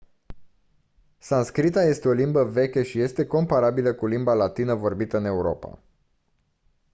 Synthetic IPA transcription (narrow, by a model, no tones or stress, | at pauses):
sanskɾit̪aje̞st̪e̞o̞limbəve̞kʲəʃije̞st̪e̞ko̞mpaɾabiləkulimbalat̪inəvo̞rbit̪əɨne̞uɾo̞̰pa̰